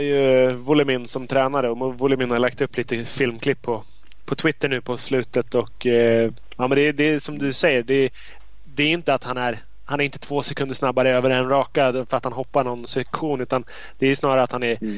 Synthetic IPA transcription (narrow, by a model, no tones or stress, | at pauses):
ajɵvʊlɪmɪnːsɔmt̪ʰɾɛːnaɾəɔvʊlɪmɪnhalak̚t̪ɵpːliːt̪əfɪlmkʰlɪpʰːɔ | pʰɔt̪ʰwɪt̪ːəɳʉ̟ːpʰɔslʉ̟ːt̪ət̪ɔkː | aːmɛnd̪ɛd̪ɛsɔmd̪ɵsɛjːəɖɛ | d̪ɛæːɾɪnt̪əat̪hanæɾ | hanæɾɪnt̪ət̪ʰvoːsɛkʰɵnd̪əʂnabːaɾəøːvəɾɛnɾɑːkafœɾat̪hanɦɔpːaɳɔnsɛkɧuːnʉ̟ːt̪an | d̪̥ɛæjɵsnɑːɾaɾat̪hanæɾ